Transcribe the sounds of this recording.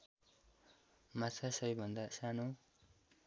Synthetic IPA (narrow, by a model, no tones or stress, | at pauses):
mat͡sasʌjbʱʌnd̪asanu